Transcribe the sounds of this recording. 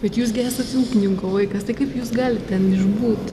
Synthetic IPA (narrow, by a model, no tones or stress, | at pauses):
b̥ʲɛt̪juːs̬ɡʲæːsʲtɐt̪uːkʲɪnʲɪŋkoːʋɐɪkɐst̪ɐɪkɐɪpjuːsɡɑːlʲɪttʲɛnɪʒbuːt̪